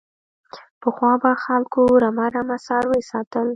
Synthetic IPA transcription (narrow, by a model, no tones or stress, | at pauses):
pəxwɑbaxalkoɾamaɾamasɑɾwesɑt̪əl